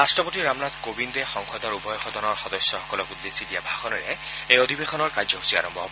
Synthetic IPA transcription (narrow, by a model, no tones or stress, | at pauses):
astɹɔpotiɹamnat̪kobindɛxɔŋxɔd̪ɔɹubɔjɔxɔd̪ɔnɔɹxɔd̪ɔsjɔxɔkɔlɔkud̪ːesidijabʱaxɔnɔɹɛ̰ | ejod̪ʱibexɔnɔɹkazɔɦu̥sia̰ɹɔmbʱɔ̰